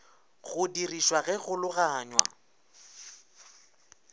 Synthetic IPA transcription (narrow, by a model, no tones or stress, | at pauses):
ɣʊdiriʃwaɣɛɣʊlʊɣaːɲwa̰